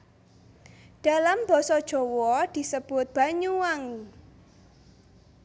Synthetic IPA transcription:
d̥a̤lambɔ̤sɔd̥ʒ̥ɔ̤wɔd̪̥i̤səb̥ʊt̪̚b̥a̤ɲuaŋ

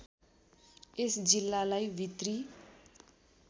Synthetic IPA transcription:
esd͡zilːalajbʱit̪ri

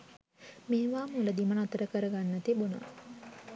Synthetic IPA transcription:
meːʋaːmuləd̪imənat̪əɾəkəɾəɡanːət̪ibuna̰

